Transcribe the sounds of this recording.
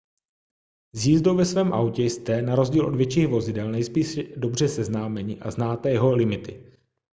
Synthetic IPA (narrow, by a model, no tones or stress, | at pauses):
zjiːzdowvɛsvɛːmʔawcɛjst̪ɛnaɾo̞zɟiːlʔo̞dvjɛt͡ʃiːxvo̞zɪdɛlnɛjspiːʃdo̞br̝ɛsɛznaːmɛɲɪʔaznaːt̪ɛjɛɦo̞lɪmɪt̪ɪ